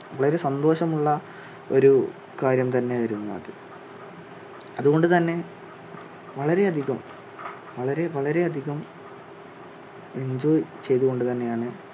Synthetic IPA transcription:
ʋɐɭɐɾe̞sɐnd̪o̞ːɕɐmuɭːɐ | o̞̰ɾu | kaːɾjɐmt̪ɐnːe̞ɾunːuɐ̰ðɨ | ɐðuɣo̞ɳɖɨt̪ɐnːe̞ | ʋɐɭɐɾe̞ɐd̪ʱiɣɐm | ʋɐɭɐɾe̞ʋɐɭɐɾe̞ɐd̪ʱiɣɐm | eɲd͡ʑoːjit͡ɕe̞jt̪uɣo̞ɳɖɨt̪ɐnːe̞jaːɳɨ

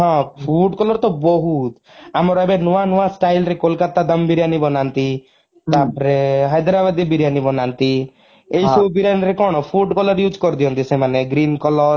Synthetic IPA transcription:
ɦɔ̃pʰuɖkɔlɔɾt̪ɔbɔɦut̪ | amɔɾɛbenuanuasʈajlɾekolkat̪ad̪ɔmbiɾjanibɔnant̪i | t̪aɾpɔɾeɦajd̪ɾabad̪ibiɾjanibɔnant̪i | ejsɔbubiɾanɾekɔɽ̃ɔpʰuɖkɔlɔɾjud͡ʒkɔɾd̪ijɔ̃nt̪isemaneɡɾinkɔlɔɾ

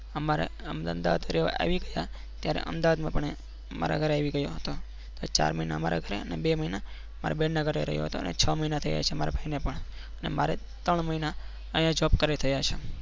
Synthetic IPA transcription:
əmaɾḛ | əmd̪ənd̪a̰ʋad̪ɾeʋ̰a̰ʋiɡəja | t̪jaɾḛʔə̰md̪aʋad̪mãpəɳe | ma̰ɾa̰ɡʱəɾeaʋiɡəjoɦət̪o | t̪ot͡ʃa̰ɾməina̰ɦəma̰ɾʔa̰ɡʱəɾeənebeməina | ma̰ɾḛbeɽnaɡəɾeɾə̰jo̰ɦət̪oənḛt͡ʃʰəməɦinat̪ʰəja̰t͡ʃʰemaɾa̰bʱajnepəɳ | ənḛmaɾe | t̪ɾəɳməɦina | əjãd͡ʒɔpkəɾet̪ʰəjat͡ʃʰe

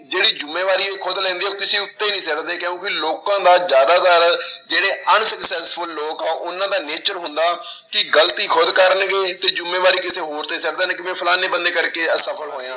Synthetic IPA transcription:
d͡ʒeːɽiːd͡ʒʊmːẽːʋaːɾiːeːkʰʊd̪lɛ̃ːnd̪iːokɪseːʊt̪ːeːnĩːsəʈd̪eːkẽõːkɪloːkãːd̪aːd͡ʒjaːd̪aːd̪əɾd͡ʒeːɽeːənsəksɛːspʊlːoːkaʔʊnãːd̪aːneːt͡ʃəɾɦʊnd̪aː | kɪɡəlt̪iːkʰʊd̪kəɾənɡeːt̪eːd͡ʒʊmeːʋaːɾiːkɪseːɦoːɾt̪eːsəkʰd̪eːnẽːkɪmɛ̃ːpʰlaːneːbənd̪eːkəɾkeːəsəpʰəlɦoːjãː

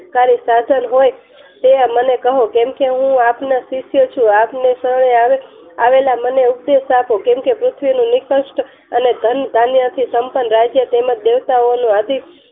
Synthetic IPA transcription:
kaɾisad̪ʱənɦoj | t̪eamənekəɦokɛ̃mkeɦũapnasɪsjət͡ʃʰũapnesəeaʋe | aʋelaməneup̚d̪esapʰokɛ̃mkepɾʊt̪ʰʋinũnɪkəʃʈ | əned̪ʱənd̪ʱanjət̪ʰisəmpənːɾad͡ʒjət̪emad̪eʋt̪aonũad̪ʱi

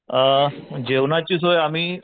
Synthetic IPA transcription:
d͡ʑeʋnat͡ɕiːsojamiː

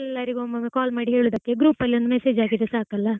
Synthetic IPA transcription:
ɛlːɐɾiɡombɐmekaːlmaːɽiɦeːɭud̪ɐkːe̞ɡɾuːpɐlːiond̪umɛsed͡ʒaːɡid̪esaːkɐlːɐ

